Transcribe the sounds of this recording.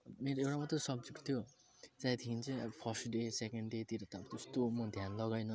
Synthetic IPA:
meɾoewɽamʌt̪rʌsʌb̚d͡zuɡt̪ʰjo | t͡sajt̪ʰikint͡sʌjpʰʌrsʈɖesekeɳɖɖet̪iɾʌt̪abt̪est̪omʌd̪ʱjanlʌɡajnʌ

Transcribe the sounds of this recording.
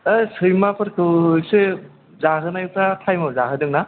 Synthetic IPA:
asɯjmapʰɯɾkʰɯse | zaɦɯnajtʰatʰajmazaɦɯdɯŋna

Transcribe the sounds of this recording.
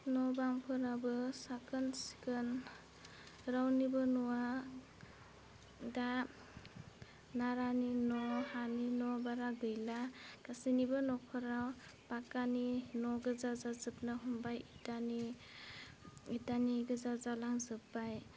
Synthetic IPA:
nɔbaŋpʰɯɾabɯsakɯnsi̥kɯn | ɾawnibɯnuwa | da | naɾaninɔhaninɔbaɾaɡɯjlaɡ̥asinibɯnɔkʰɔɾawb̥akaninɔɡɯzazazɯpnɯɦɔmbajitani | itaniɡɯzazalaŋzɯpːaj

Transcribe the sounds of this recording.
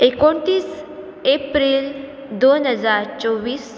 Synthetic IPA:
ekoɳt̪iːs | epɾiːl | d̪onɦəd͡zaɾt͡sɔʋiːs

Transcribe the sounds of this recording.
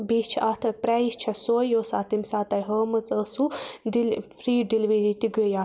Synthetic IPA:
biːt͡ʃʰʔɐt̪ʰɐpɾʲaist͡ʃʰɐsoːjjoːsaːt̪imsaːt̪ɐjɦəːmɨt͡səːsuɖilfɾiːɖilʋiɾit̪iɡeja

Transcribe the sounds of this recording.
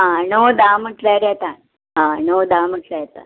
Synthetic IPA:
ɦãnod̪aməʈʰlaɾjɛt̪a | ɦãnod̪am̤əʈʰləjɛt̪a̰

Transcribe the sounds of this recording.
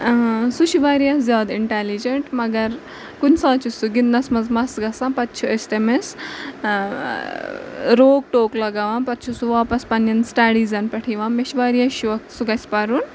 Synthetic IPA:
suʃiʋaːɾijɐzʲjaːd̪iɳʈeːlid͡ʒeɳʈmɐɡɐɾ | kunsaːt͡ʃusuɡid̪nɐsmɐzmɐsɡɐsapɐt̪ːt͡ʃʰuesʈemes | ɾoːk̚ʈoːklɐɡɐʋaːmpɐt̪ːt͡ʃʰusuʋaːpɐspɐnjɐnsʈaːɽiːzɐnpɐʈʰiʋaːmeʃʋaːɾijɐʃuʋɐksuɡɐsʲpɐɾun

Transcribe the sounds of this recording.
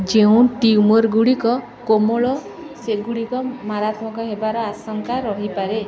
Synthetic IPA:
d͡ʒeũʈiumoɾɡuɽikɔ | komoɭɔ | seɡuɽikɔmaɾat̪mɔkɔɦebaɾɔasɔŋkaɾɔɦipaɾe

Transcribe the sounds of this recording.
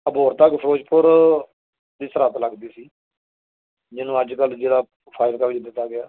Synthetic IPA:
əboːɾt̪əkpʰəɾoːd͡ʒpʊɾ | d̪iːsəɾət̪ləɡd̪iːsiː | d͡ʒɪnũːəd͡ʒkəld͡ʒeːɽaː | pʰaːɪɾkaʋɪd͡ʒd̪ɪt̪ːaːɡɪjaː

